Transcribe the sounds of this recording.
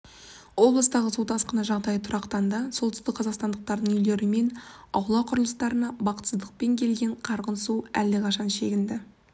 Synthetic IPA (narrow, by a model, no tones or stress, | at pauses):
wo̞blˠəst̪ɑʁəsut̪ʰɑsqənɑʒɑʁd̪ɑjət̪ʰʊɾʔɑqt̪ɑnd̪ɑso̞lˠʏst̪ɪk̚qʰːɑzɑqst̪ɑnd̪əq̚t̪ɑɾd̪əɴʏjle̞ɾɪme̞nɑwlˠɑqʰʊɾəlˠəst̪ɑɾənɑbɑqət̪səzd̪əq̚pe̞ŋkʲʰe̞lɡʲe̞ɴqʰɑɾʁənsuælːɪqʰɑʃɑnʃe̞ɡʲɪnd̪ɪ